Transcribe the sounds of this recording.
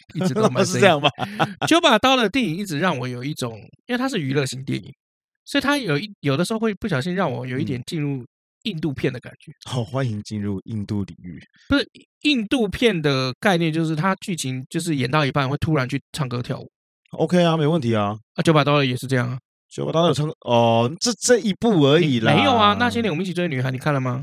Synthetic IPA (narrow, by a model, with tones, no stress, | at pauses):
i˥˩˧o˥˧ma˧s̬̩˥˩˧jŋba˨˩jo˧˥ʊpa˨˩t̪ɑ˥ʊdə˨˩t̪jɛ˥˩ni˨˩ŋi˥˩ʈ͡ʂɻ̩˨˩ɻɑ˥˩ŋwɔ˨˩˦jo˨˩ʊi˥˩ʈ͡ʂʊ˨˩ŋi˥we˥˩ɪt̪ʰa˥ʂɻ̩˥˩y˧˥lɤ˥˧ɕi˧˥ŋt̪jɛ̰˥˨˩nḭ˨˩ŋ | swɔ˧˥i˨˩t̪ʰa˥jo˨˩ʊi˥˩jo˨˩d̪ə˧ʂ̬ɻ̩˧˥xo˥˧ʊwe˥˧ɪpu˥˩ɕjɑ˨˩ɕ̬i˥˧nɻɑ˥˩ŋwɔ̰˨˩ə˦njo˨˩ʊi˥˩t̪jɛ˨˩nt͡ɕi˥˧nɻu˥˩ | i˥˧nt̪u˥˧pʰjɛ˥˩nd̪ə˩ka̰˨˩nt͡ɕɥɛ˨˧˦o˥˩xwa˦ni˧˥ŋt͡ɕi˥˧nɻu˥˧ḭ˥˧nt̪u˥˩lḭ˨˩ŋy̰˥˩ | u˧˥ʂɻ̩˥˩ | i˥˧nt̪u˥˧pʰjɛ˥˩nd̪ə˩ka˥˧ɪnjɛ˥˧nt͡ɕjo˥˧ʊʂɻ̩˥˩t̪ʰa˦˥t͡ɕy˥˩t͡ɕʰi˧˥˦ŋt͡ɕjo˥˧ʊʂ̬ɻ̩˥˩jɛ˨˩nt̪ɑ˥˩ʊi˧˥pa˥˧nxwe˥˩ɪt̪ʰu˥ɻa˧˥nt͡ɕʰy˥˧ʈ͡ʂʰɑ˥˧ŋkɤ˥t̪ʰjɑ̰˥˩ʊw̰ | ʔo̰˧ʊkʰe˥ɪa˧me˧˥o˧wə˥˨nt̪ʰi˧˦a˧ə˧˩t͡ɕjo˧˥pa˨˩t̪ɑ˥ə˨˩jɛ˨˩ʂɻ̩˥˧ʈ͡ʂɤ˥˧jɑ˥˩ŋɐ˩ | t͡ɕjo˧˦pa˨˩t̪ɑ˥˧˨ŋɔ˩ə˥˧ʈ͡ʂɤ˥˧i˧˥pu˥˩ə˧˥i˨˩lme˧˦ɪjo˨˩ɐ˨na˥˩ɕn˨˥nwt͡ɕi˨wny˨˩xa˧˥ni˨kʰa˥˩nla˨˩ma˨